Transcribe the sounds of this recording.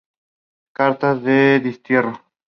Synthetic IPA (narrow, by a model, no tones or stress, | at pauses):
kaɾt̪azðeðist̪jero